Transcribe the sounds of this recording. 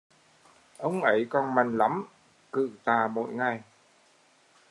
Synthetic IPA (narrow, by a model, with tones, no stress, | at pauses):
ʔə˧˦wŋ͡mʔə˨˧˦jkɔ˧nma˨˩jŋ̟la˨˦m | kɨ̰˧˨t̪aː˨˩mo̰˧˨˦jŋa˨˩j